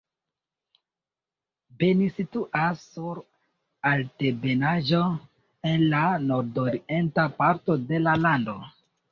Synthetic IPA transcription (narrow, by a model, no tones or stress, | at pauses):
be̞nisituʔasːuɾ | altebe̞naʒo̞ | e̞nlano̞ɾdoɾientapaɾto̞de̞lalando̞